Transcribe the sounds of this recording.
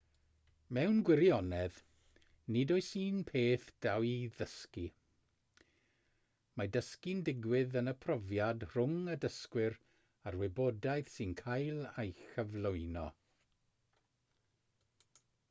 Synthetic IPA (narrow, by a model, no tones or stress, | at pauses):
mɛwnɡwɪɾjɔnɛð | nɪdoɨsiːnpʰeːθd̥awiðəski | madəskindɪɡwɪðənəpʰrɔvjadr̥ʊŋədəskwɪɾ | arwɪbodajθsɨnkʰajlˠajxəvlˠoɨnɔ̰